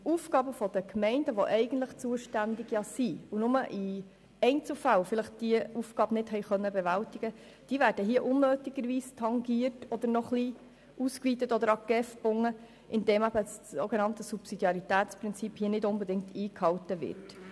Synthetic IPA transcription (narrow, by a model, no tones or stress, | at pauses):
ufɡ̥ɑːbəfɔd̥̪əkmɛɪndəʋoʔɛɪɡ̥ən̩tləχt͡suəʃtændɪɡjɑsiunʊməʔi | ɛɪnt͡sl̩fælfɪləχtd̥iəufɡ̥ɑːb̥nɪtɦɛɪχœnːəbɛvæltiɡə | d̥iːvæːɾd̥əɦiəʔʊnːøːtɪɡ̥əɾʋiːstʰɑŋɡiːərtɔd̪əɾnɔχli | ʔuskʋiːt̪ətɔd̪əɾɑɡ̥ɛfb̥ʊŋːə | ʔɪnd̥eːmæbəsso̰ɡenɑntəsupsidjɑɾit̪æːtt͡spɾɪnt͡siphiːənɪdʊnbɛdɪŋkt̪ʰiːkhɑwtəvɪ̰rt